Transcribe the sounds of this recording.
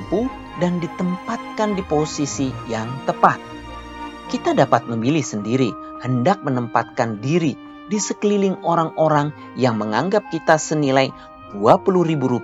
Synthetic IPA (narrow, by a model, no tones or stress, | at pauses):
pu | dandit̪əmpat̪̚kandiposisijaŋt̪əpat̪̚ | kit̪adapat̪̚məmilɪhsəndiɾi | həndak̚mənəmpa̰t̪̚kandiɾi | disəkəlilɪŋoɾaŋoɾaŋ | jaŋməŋaŋɡap̚kit̪asənilaj | d̥uapuluhɾibuɾup